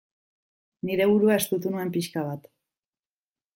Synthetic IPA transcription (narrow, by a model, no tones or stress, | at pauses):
niɾe̞βuɾuae̞st̪ut̪unue̞mpiʃkaβ̞at̪